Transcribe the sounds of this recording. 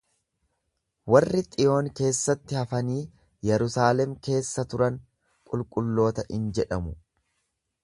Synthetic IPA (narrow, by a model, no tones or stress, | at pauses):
wɐrːɪt̪ʼɪjo̞ːŋke̞ːsːɐt̪ːɪhɐfɐniː | jɛɾʊsaːlɛmke̞ːsːɐt̪ʊɾɐŋ | kʼʊlkʼʊlːo̞ːt̪ɐʔɪnd͡ʒɛᶑɐmʊ